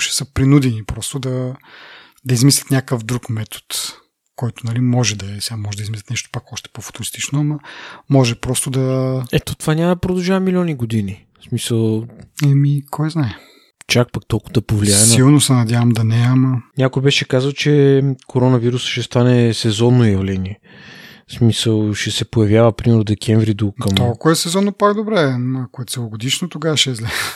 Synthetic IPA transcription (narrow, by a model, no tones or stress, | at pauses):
ʃɛ̥səpɾinud̪ɛnipɾɔst̪ʊd̪ɐ | d̪ɐizmislʲɐt̪nʲakəfd̪ɾukmɛt̪ʰo̥t̪ | kɔjt̪ʊnɐlimɔʒɛd̪ɐɛsɛɡamɔʒɛd̪ɐizmislʲɐt̪nɛʃt̪o̥pakɔʃt̪ɛ̥pofʊ̥t̪ʊɾist̪it͡ʃnoamɐmɔʒɛpɾɔst̪od̪ɐɛt̪ot̪ovanʲaməd̪ɐpɾod̪ɐlˠʒavɐmilʲɔniɡod̪ini | smisəlˠɛmikʰɔjznaɛ | t͡ʃak̚pakt̪olˠkʊvd̪ɐpovliaɛsnilˠnosɛnɐd̪ʲjavɐmd̪ɐnɛmɐnʲakojbɛʃɛkazəlˠt͡ʃɛkʰoɾɔnɐviɾusʃɛst̪anɛsɛzɔnːojɐvlɛniɛ | smisəlˠʃɛsɛpojɐvʲjavəpɾimɛɾnod̪ɛkʲʰɛɱvɾid̪okɐmɔlˠkʊɛsɛzɔnːopakd̪obɾɛɐkoɛt̪sɛlˠʊɡod̪iʃnot̪oɡaʃɛzlʲɛ